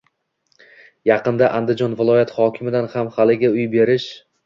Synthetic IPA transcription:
jɑqɨnd̪aʔand̪ɪd͡ʒɒnvɪlˠɒjat̪χɒkʲʰɪmɪd̪anhamhalɪɡʲaʊjbe̞ɾɪʃ

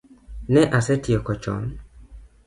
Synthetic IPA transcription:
nɛʔasɛtjɔkɔt͡ʃɔ̰n

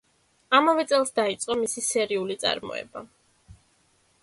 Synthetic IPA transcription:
amavɛt̪sʼɛlˠsd̪ait̪sʼqʼɔmisisɛɾiulit̪sʼa̰ɾmɔ̰ɛ̰ba

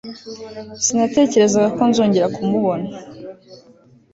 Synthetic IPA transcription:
sinate̞ːce̞ɾe̞zaɡako̞nzuːɲɟeɾakʰumuβo̞na

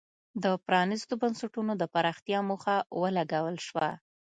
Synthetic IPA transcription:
d̪əpɾɑnist̪obansaʈunod̪əpaɾɑxt̪jɑmuxawəlaɡawəlʃwa

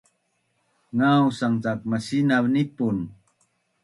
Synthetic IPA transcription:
ŋawsaŋt͡sak̚masinaβnipun

